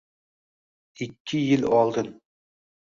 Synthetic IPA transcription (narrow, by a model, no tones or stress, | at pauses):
ikʲːɪjɪlɒlˠd̪ɨn